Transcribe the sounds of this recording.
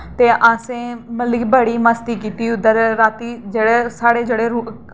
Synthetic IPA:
t̪eːʔaːsẽːməlibəɽiːməst̪iːkiːt̪iːʊd̪əɾɾaːt̪iːd͡ʒeːɽesaːɽeːd͡ʒeːɽeːɾu

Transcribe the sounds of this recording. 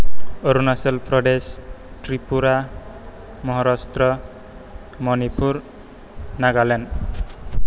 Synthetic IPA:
oɾunasɔlpɾɔɖesʈɾipuɾa | mɔɦɔɾɔst̪ɾɔ | mɔnipʰuɾ | naɡalen

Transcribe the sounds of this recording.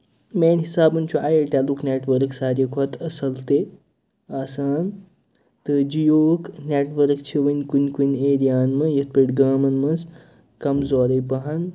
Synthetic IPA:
meːnʲɦisaːbɨnt͡ʃʰuaːjeʈeluknʲeːʈʋɐɾksaːɾjɐkʰɐt̪ʰɐsɐlt̪e | aːsaːn | t̪ɨd͡ʒijoːknʲeːʈʋɐɾkt͡ʃʰiʋɐnʲkunʲkunʲeːɾijaːnmɨjɐt̪̚piʈɡaːmɐnmɐz | kɐmzoːɾɐjpɐɦɐn

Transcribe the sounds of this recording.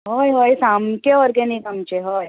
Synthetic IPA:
ɦojɦojsamkeʋəɾɡenikamt͡ɕeɦoj

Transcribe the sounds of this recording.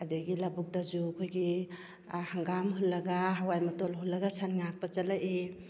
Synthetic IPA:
adaɡilabuk̚dazukʰojɡi | haŋɡamɦulːɐɡaɦawajmatɔlɦulːɐɡasanŋak̚pat͡ʃalaʔe

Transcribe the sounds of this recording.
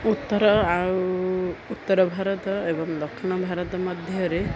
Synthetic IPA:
ut̪ːɔɾɔauuut̪ːɔɾɔbʱaɾɔt̪ɔebɔŋd̪ɔkʰʃiɳ̃ɔbʱaɾɔt̪ɔmɔd̪ʱjʌɾe

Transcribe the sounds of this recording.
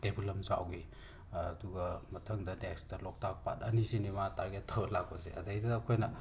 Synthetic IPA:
debulɐmsa̰wɡiː | duɡɐmɐtʰɐŋdɐnekstɐlɔk̚tak̚pa̰tɐnisinimataɾɡettʰːɐwɐlak̚pɐsḛɐ̰dɐjdɐːkʰojnɐ

